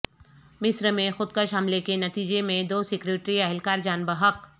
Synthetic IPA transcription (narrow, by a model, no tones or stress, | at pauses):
mɪsɾmẽxʊd̪̚kəʃɦɐmlekenɐt̪iːd͡ʒemẽd̪oːsɪkɾeːʈɾiɛɦɪlkaːɾd͡ʒaːnbəɦək